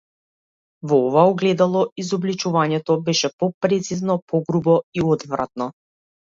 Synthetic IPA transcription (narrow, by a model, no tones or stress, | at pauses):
vɔɔvaɔɡlɛd̪alˠɔizɔblit͡ʃuvaɲɛt̪ɔbɛʃɛpɔpɾɛt̪siznɔpɔɡɾubɔiɔd̪vɾa̰t̪̚nɔ